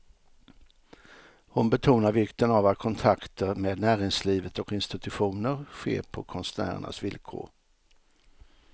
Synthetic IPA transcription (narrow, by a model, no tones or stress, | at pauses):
hʊnbɛt̪ʰuːnaɾvɪkt̪ənavat̪kʰɔnt̪ʰakt̪ʰəɾmeːd̪næːɾɪŋsliːvət̪ɔkɪnst̪ɪt̪ɵɧuːnəɾɧḛːɾpʰɔkʰɔnsnæ̰ːɾə̰ɳa̰svɪlkʰo̰ːɾ